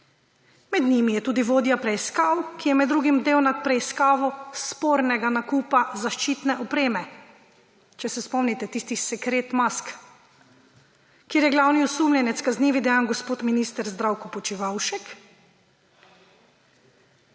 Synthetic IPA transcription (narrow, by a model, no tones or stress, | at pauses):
mɛd̪nimijɛt̪uːd̪iʋoːd̪japɾɛiskaːwkijɛmɛd̪ːɾuːɡimd̪eːwnat̪̚pɾɛiskaːʋɔspoːɾnɛɡanakuːpazaʃt͡ʃiːt̪nɛʔɔpɾeːmɛ | t͡ʃɛsɛspɔmnit̪ɛt̪iːst̪isɛkɾeːt̪mask | kːjeːɾjɛɡlawniɔsuːmnʲɛnɛt̪skazniːʋid̪ɛjanɡɔspoːt̪minist̪ɛɾzd̪ɾawkɔpɔt͡ʃiʋawʃɛk